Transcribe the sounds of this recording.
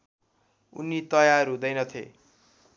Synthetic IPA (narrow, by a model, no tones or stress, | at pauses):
ṵnit̪ʌjaɾud̪ʌjnʌt̪ʰḛ